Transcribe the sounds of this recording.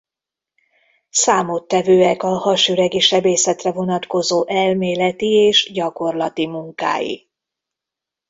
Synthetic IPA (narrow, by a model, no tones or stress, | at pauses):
saːmot̪ːɛvøːɛkɒhɒʃyɾɛɡiʃɛbeːsɛt̪rɛvo̞nɒt̪ko̞zoːʔɛlmeːlɛt̪ieːʃɟɒko̞rlɒt̪imuŋka̰ːjḭ